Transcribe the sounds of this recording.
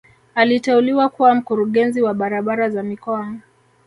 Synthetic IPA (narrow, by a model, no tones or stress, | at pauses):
alitɛuliwakuwam̩kuɾuɠɛnziwaɓaɾaɓaɾazamikɔaŋa